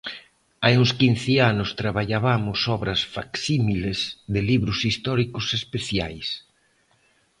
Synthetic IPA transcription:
ajuŋskin̟θeanʊst̪ɾaβaʎaβamʊsɔβɾɐsfaksimilezðɪliβɾʊsist̪ɔɾikʊsespeθjajs

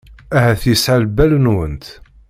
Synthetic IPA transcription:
æɦæθjəsʕalbælənwənt̪

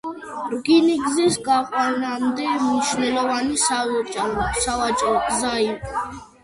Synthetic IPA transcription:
ɾɡiniɡzisɡaqʼwanamd̪ɛmniʃnɛlɔvanisat͡ʃʼsavat͡ʃʼɾɔɡzai

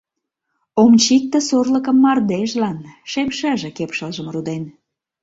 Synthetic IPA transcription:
omt͡ɕik̚t̪ə̆sorləkəmːɑrd̪eʒlɑnʃemʃɑʒĕkepʃəlʒəmrud̪en

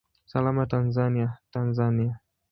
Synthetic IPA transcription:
salamatanzaniatanzania

